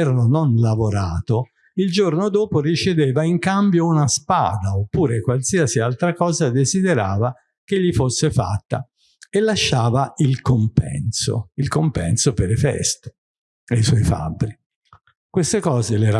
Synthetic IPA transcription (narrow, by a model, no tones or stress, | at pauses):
ɾlononlavoɾaːt̪o | ild͡ʒornod̪oːporit͡ʃed̪eːvaiŋkambjounaspa̰ːd̪aopːuːɾekwalsiasialt̪ɾakɔːzad̪ezid̪eɾaːva | k̟eʎːifosːefa̰t̪ːa | elːaʃːaːvailkompɛ̰nso̰ilkompɛ̰nsopeɾefɛ̰st̪o̥ | ejswɔjfa̰bːɾi | kwest̪ekɔːzelɛɾa